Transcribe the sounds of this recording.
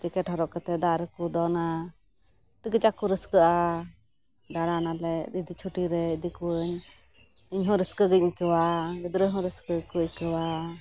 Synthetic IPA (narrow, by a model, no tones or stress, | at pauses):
d͡ʒɛkɛʈhɔɾɔʔkət̪ɛd̪aɾəkud̪ɔna | ʈəɡəd͡ʒakuɾəskəʔa | ɖaɽanalɛid̪it͡ʃʰuʈiɾɛd̪ikuəɲ | iɲɦɔ̃ɾəskəɡəcɲkəwaɡəd̪ɾəɦɔ̃ɾəskəkukəwa